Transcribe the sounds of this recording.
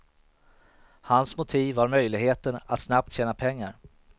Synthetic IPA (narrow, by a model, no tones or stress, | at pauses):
hansmʊt̪ʰiːvːaɾmœjlɪɡheːt̪əna̰t̪snap̚t̪ɕɛːnapʰɛŋːaɾ